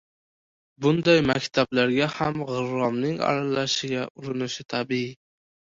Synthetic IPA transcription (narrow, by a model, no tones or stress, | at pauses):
bʊnd̪ɑjmækʲt̪ʰablaɾɡʲahamʁɨɾːɒmnɪŋɑ̰ɾalɑʃɪɡʲaʊɾɪnɪʃɪt̪ʰæbii